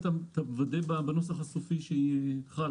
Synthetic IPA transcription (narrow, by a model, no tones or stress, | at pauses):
t̪at̪abvad̪ebabano̞saχasofiʃeit̪χa